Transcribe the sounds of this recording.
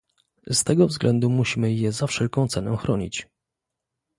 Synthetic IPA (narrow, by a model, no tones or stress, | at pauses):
st̪ɛɡɔvzɡlʔɛnd̪umuɕimɘjɛzafʂɛlkɔ̃w̃t̪sɛnɛ̃xɾɔɲḭt͡ɕ